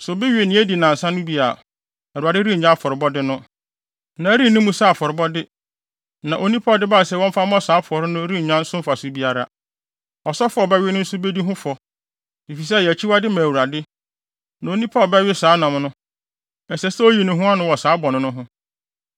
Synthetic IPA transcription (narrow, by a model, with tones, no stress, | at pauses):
sʊ˨bɪ˦ɥnɪ̃˨˦æ˦di˨nã˨n̩˨sã˦nʊ̃˦bi˦a̰˨ | a˨u˨a˨dɪ˦ɾi˦˨ɲã˦˨fɔ˨ɾɪ˨bɔ˦dɪ˦nʊ̃˦ | nã˨æ˦ɾi˦˨nʊ̃˦mũ˦sa˦a˨fɔ˨ɾɪ˨bɔ˦dɪ˦ | nã˨ʔo˨nĩ˦pʰa˦˨dɪ˦baː˦˨sɛ˦˨wɔ̃˦m̩˦fa˦m˦ɔ̃˦saː˨˦pʰʊ˨ɔ˨ɾɪ˦nʊ̃˦ɾi˦˨ɲã˦n̩˦sʊ̃˦m̩˦fa˨sʊ˦bi˦a˦ɾa˦ | ɔ˨sɔ˦fʊ˦ɔ˦˨bɛ˦ɥɪ˦nʊ̃˦n̩˦sʊ˦be˦di˦ɦʊ̃˦fɔ˨ | bi˨fi˨s̬ɛ˦˨jɛ˨æ˨t͡ɕʰi˦wa˦dɪ˦mã˨wu˨ɾa˨dɪ˦ | nã˨o˨nĩ˦pʰa˦˨bɛ˦ɥɪ˦saː˨˦nã˨m˦nʊ̃˦ | ɛ˨sɛ˨sɛ˦o˦ji˨˦nʊ̃˦ɦʊ̃˦a˦nʊ̃˦wɔ˨saː˨˦bɔ˨nʊ̃˦nʊ̃˦ɦʊ̃˦